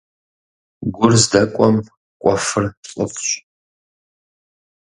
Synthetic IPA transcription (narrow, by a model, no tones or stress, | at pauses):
ɡʷʊrzdɐkʷʼɔm | kʷʼafɨrɬʼə̰pʰʼɕʷʼ